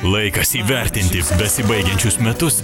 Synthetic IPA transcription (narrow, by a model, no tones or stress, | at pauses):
lˠɐɪkɐsiːʋʲɛɾʲt̪ʲɪnʲt̪ʲɪbʲɛsʲɪbɐɪɡʲɛnʲt͡ʃʲʊsmʲɛt̪ʊs